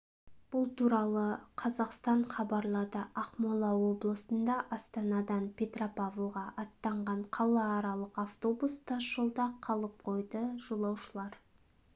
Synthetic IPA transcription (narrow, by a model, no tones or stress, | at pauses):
b̥ʊlˠt̪ʰuɾɑlˠəqʰɑzɑqst̪ɑɴχɑbɑɾlˠɑd̪əʔɑqmolˠɑwo̞blˠəsənd̪ɑʔɑst̪ɑnɑd̪ɑnpʲʰe̞t̪ropavlˠʁɑʔɑt̪ːɑɴʁɑɴqʰɑlˠɑːɾɑlˠəqaft̪o̞bust̪ʰɑʒəlˠd̪ɑqʰɑlˠəp̚qʰo̞jd̪əʒ̥olˠɑwʃəlˠɑɾ